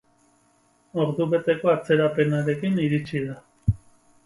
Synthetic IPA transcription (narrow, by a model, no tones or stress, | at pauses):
o̞ɾðuβe̞t̪e̞ko̞at͡se̞ɾape̞naɾe̞kiniɾit͡ʃiða